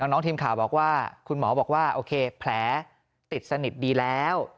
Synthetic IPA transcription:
nɔː˨˦˥ŋnɔː˦˥ŋt̪ʰiː˧mkʰaː˨˩wbɔː˨˩k̚waː˥˩kʰu˧nmɔː˩˦bɔː˨˩kwaː˥˩ʔoː˧kʰeː˧pʰlɛː˩˦ | t̪i˨˩t̪̚sa˧ni˨˩t̪̚diː˧lɛː˦˥w

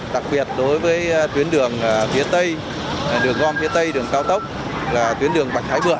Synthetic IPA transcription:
ɗa˨˩k̚ɓi˨˩ət̚ɗo˨˦jvəː˨˦jt̪wi˨˦ənɗɨ˨˩əŋː˨˩fi˨˦ət̪ə˧j | ɗɨ˨˩əŋɔ˧nfi˨˦ət̪ə˧jɗɨ˨˩əŋkaː˧wt̪ə˦˥wk͡p̚ | laː˨˩t̪wi˨˦ənɗɨ˨˩əŋɓa˨˩j̪̚ʰaː˨˦jvɨ̰˨˧˩ə˨

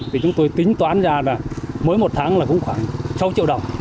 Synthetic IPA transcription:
t̪ʰi˨˩t͡ɕʊ˨˦ŋ͡mt̪o˧jt̪ï˨˦ŋ̟t̪waː˨˦˥nzaː˧laː˨˩məː˨˦jmo˨˩t̚t̪ʰaː˨˦ŋlaː˨˩kʊ̰˧˥ŋ͡mxwaː˧˩ŋsa˨˦wt͡ɕḭ˧˨wɗə˨˩wŋ͡m

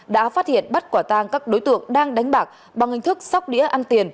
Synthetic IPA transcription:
ɗa̰ː˧˥faː˦˥t̚hḭ˧˨ənɓa˦˥t̚kwaː˧˩t̪aː˧ŋkaː˦˥k̚ɗo˨˦jt̪ɨ̰˧˨əŋɗaː˧ŋɗa˨˦jŋ̟ɓaː˨˩k̚ | ɓa˨˩ŋhï˨˩ŋ̟t̪ʰɨ˦˥k̚sa˦˥wk͡p̚ɗḭ˧˥əʔa˧nt̪i˨˩ən

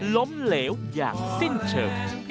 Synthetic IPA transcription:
lo˨˦mle˧˩wzaː˨˩k̚si˧nt͡ɕə̰ː˨˩ŋ

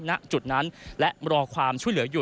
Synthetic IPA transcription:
na˦˥ʔt͡ɕu˨˩t̪̚na˦˥nlɛ˦˥ʔɾɔː˧kʰwaː˧mt͡ɕʰu˥˩əjlɯ˩˦ɐ˦juː˨˩

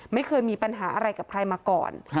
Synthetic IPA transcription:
ma˥˩jkʰɤː˧jmiː˧pa˧nɦaː˩˦ʔa˧ɾa˧jka˨˩p̚kʰɾa˧jmaː˧kɔ̰ː˨˩n

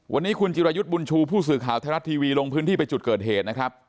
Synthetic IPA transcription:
wʔa̰˧nːiː˦˥kʰu˧nt͡ɕi˧ɾaː˧ju˦˥t̪̚bu˧nt͡ɕʰuː˧pʰuː˥˩s̬ɯː˨˩kʰaː˨˩˦wt̪ʰaː˧ɾa˦˥t̪ʰːiː˧wiː˧lo˧ŋpʰɯː˦˥t̪ʰiː˥˩pa˧jt͡ɕu˨˩t̪̚kɤː˨˩t̪̚ɦeː˨˩t̪̚na˦˥kʰɾa˦˥p̚

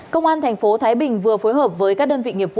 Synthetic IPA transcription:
kə˧wŋ͡mʔaː˧nt̪ʰɛ˨˩ŋ̟fo˨˦t̪ʰaː˨˦jɓï˨˩ŋ̟vɨ˨˩əfo˨˦jɦəː˨˩p̚vəː˨˦jkaː˦˥k̚ɗəː˧nvḭ˧˨ŋi˨˩əp̚vṵ˧

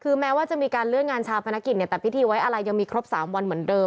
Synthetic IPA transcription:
kʰɯː˧mɛː˦˥waː˥˩t͡ɕa˨˩miː˧kaː˧nlɯ˥˩ət̪̚ŋaː˧nt͡ɕʰaː˧wpʰa˧na˦˥kːi˨˩t̪̚i˧˩ət̪ɛː˨˩pʰi˦˥t̪ʰiː˧wa˦˥jʔa˧ɾa˧jːa˧ŋmiː˧kʰɾo˦˥p̚saː˩˦mwa˧nmɯ˩˦əndɤː˧m

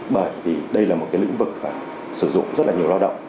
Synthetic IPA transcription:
ɓəː˧˩jvi˨˩ɗə˧jlaː˨˩mo˨˩t̚kaː˨˦lḭ˧˥ŋ̟vɨ˨˩k̚maː˨˩ | sɨ˧˩zʊ̰˧˨ŋ͡mzə˦˥t̚laː˨ɲi˨˩əwlaː˧wɗə̰˧˨wŋ͡m

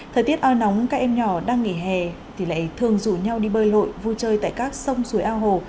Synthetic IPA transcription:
t̪ʰəː˨˩jt̪i˦˥ət̚ʔaː˧jna˨˦wŋ͡mkaː˦˥k̚ʔɛ˧mɲɔ˧˩ɗaː˧ŋŋi˧˩ɦɛ˨˩t̪ʰi˨˩la̰ː˧˨jt̪ʰɨ˨˩əŋzṵ˧˨ɲa˧wɗi˧ɓəː˧jlo̰˧˨jvu˧t͡ɕəː˧jt̪a̰ː˧˨jkaː˦˥k̚sə˧wŋ͡msu˨˦jʔaː˧wɦo˧˩

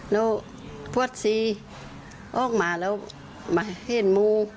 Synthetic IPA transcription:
lɛː˦˥w | pʰu˧˨ə˨t̪̚siː˧˦ | ʔɔː˧˩˨k̚maː˨˦lɛː˧˥w | ma˨˧he˧˩˨nmuː˧

